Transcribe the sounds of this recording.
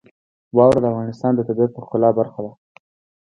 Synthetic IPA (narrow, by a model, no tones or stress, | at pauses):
wɑwɾad̪əafɣɑnɪst̪ɑnd̪ət̪abaɾ̚pəxkʊlɑbaɾxad̪a